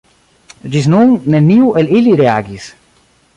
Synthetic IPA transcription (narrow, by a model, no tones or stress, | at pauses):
d͡ʒisnuŋneniwʔeliliɾeaɡis